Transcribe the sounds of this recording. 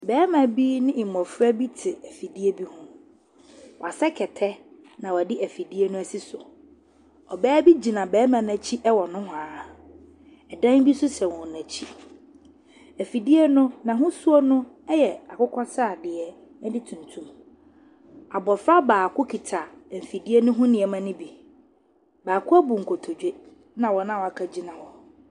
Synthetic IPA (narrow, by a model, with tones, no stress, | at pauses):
bɛː˦mã˨bi˦nɪ̃˦ɪ̃˨mɔ̃˨fɾa˦bi˦tʰɪ˨æ˨fi˨di˦e˦bi˦hʊ̃˦ | wɔ˨a˨sɛ˦kʰɛ˨tʰɛ˦ | nã˨wa˨dɪ˦ʔæ˨fi˨di˦e˦nʊ̃˦æ˨si˦sʊ˨ | ɔ˨bɛː˦bi˦d͡ʑi˨nã˨bɛː˨˦mã˨næ̃˨t͡ɕʰi˦ʔɛ˦wɔ˨nʊ̃˦hʊ̃˨a˨ | ɛ˨dã˦nbi˦sʊ˦sɛ˨wɔ̃˨næ˨t͡ɕʰi˦ | æ˨fi˨di˦ɛ˦nʊ̃˦nã˨ɦʊ̃˦su˦ɔ˦nʊ̃˦ | ɛ˦jɛ˨a˨kʊ˦kʰɔ˦sa˦˨dɪ˨ɛ˦ | ɛ˦dɪ˦tʰũ˨ntʰũ˦m | a˨bɔ˨fa˦baː˨kʰʊ˦kʰi˨tʰa˨fi˨di˦e˦nʊ̃˦ɦʊ̃˦nɪ̃˨ɛ˨mã˦nʊ̃˦bi˨ | baː˨kʰʊ˦æ˦bu˨ŋ̩˨kʰo˨tʰo˨d͡ʑᶣe˦ | nã˨wɔ˨nã˦˨wɔ˨a˨kʰa˦d͡ʑi˦nã˨wɔ˨